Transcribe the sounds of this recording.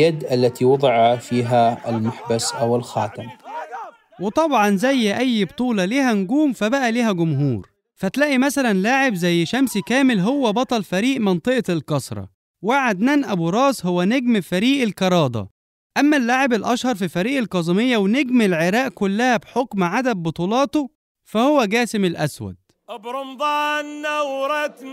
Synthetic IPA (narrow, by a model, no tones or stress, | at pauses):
jad̪ʔalːat̪iwɑd̪ˤɨʕɑfiːɦaɪ̰lmʊħbasʔawɪlxaːt̪am | wɪt̪ˤɑbʕɑnzæjːʔæjːbt̪ˤuːlɑliːhænɡuːmfæbæʔæliːhæɡʊmɦuːɾ | fæt̪læːʔimæsælænlaːʕɪbzæjːʃæmskæːmɪlɦowːæbɑt̪ˤɑlfæɾiːʔmɑnt̪ˤɨʔlkɑsˤɾˤɑ̰ | waʕad̪næːnʔæbuɾˤɑːshowːæneɡmfæɾiːʔelkɑɾˤɑːd̪ˤɑ̰ | ʔæmːælːaːʕebelʔɑʃhɑɾˤfifæɾiːʔelkɑzˤemejːæwneɡmelʕeɾæːʔkʊlːæhæbħokmʕad̪ædbot̪ˤuːlɑːt̪o | fæhowːæɡæːsɪmelʔæ̰swæ̰d̪̥̚ | ʔbɾˤomd̪ˤɑnːawɾˤɑt̪